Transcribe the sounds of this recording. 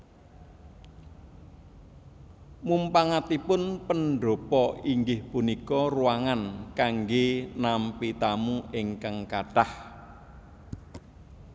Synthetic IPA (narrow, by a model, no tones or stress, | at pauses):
mumpaŋat̪ipʊnpənɖo̤pɔiŋɡɪhpunikɔruwaŋankaŋɡenampit̪amuɪŋkaŋkaɖ̥ah